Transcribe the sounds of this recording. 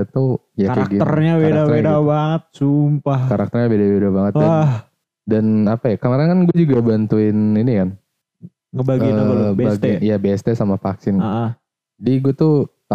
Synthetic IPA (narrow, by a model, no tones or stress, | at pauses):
at̪u | jaaɡiərɲawedaedabaŋət̪̚sumpahkaɾak̚t̪ərɲabedawedabaŋət̪dah | danapajakəmaɾankanɡuad͡ʒuɡabant̪uɪninikan | ŋəbaɡibbaɡijabeɛst̪ɛsamafaksɪnaʔə | d͡ʒadiɡuat̪ut̪a